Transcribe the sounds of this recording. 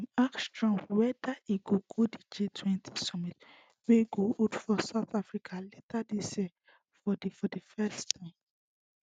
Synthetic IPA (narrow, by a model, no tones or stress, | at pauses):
ãnakstɹɔ̃mwɛdaiɡoɡodid͡ʒetʰwɛ̃ntʰi̥sɔmit | weiɡootfɔsaʊθafɹikʰaletʰadisɛ | fɔdifɔdifɛstʰãɪ̃m